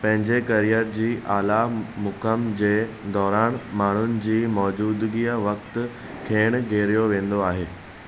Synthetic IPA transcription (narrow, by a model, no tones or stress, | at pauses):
pɐ̃ɦɪ̃ɲd͡ʑekɐɾijəɾd͡ʑiːʔaːlamʊkəmd͡ʑeː | d̪ɔːɾaːñmaːɳ̤ʊnɪ̆d͡ʑiːmɔːd͡ʑuːd̪ɡiəʋɐkt̪ | kʰeːɽ̃ɡʱeːɾijoʋẽːn̆d̪oaːɦeː